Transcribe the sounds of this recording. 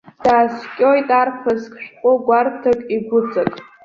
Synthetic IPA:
d̥aːskʲʼo̞jtʼarpʰazkʲʰʼʃᶣqʷʼʊɡʷartʰakʼiɡʷʊt͡sʼakʼ

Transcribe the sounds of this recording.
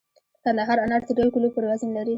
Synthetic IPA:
kand̪aɦɑɾanaʈt̪əɖajkulopəɾwazinlaɾi

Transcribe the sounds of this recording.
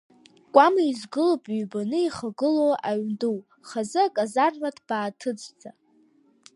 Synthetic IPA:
kʷʼamizɡɨlopʼɥbanɨiχaɡɨlowaɥnduw | χazɨakʼazarvadb̥aːtʰɨt͡sʼd͡zʼa

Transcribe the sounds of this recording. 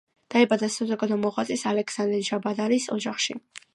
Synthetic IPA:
d̪̥aɛbad̪asazɔɡad̪ɔmɔʁwat̪ʼisalɛksand̪ɛɾʒabad̪aɾisɔd͡ʒaχʃi

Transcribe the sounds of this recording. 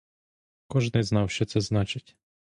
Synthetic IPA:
kɔʒnɪznɑwʃt͡ʃɛt̪sɛznɑt͡ʃɪtʲ

